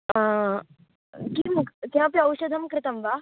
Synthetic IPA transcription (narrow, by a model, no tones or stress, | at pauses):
kiːmukt̪ãp̬jɐwɕud̪ʱəmkɾɪt̪əmʋa